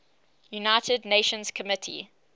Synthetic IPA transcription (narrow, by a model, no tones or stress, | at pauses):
junaɪtʰədneɪʃə̃nz̥kʰəmɪtʰḭ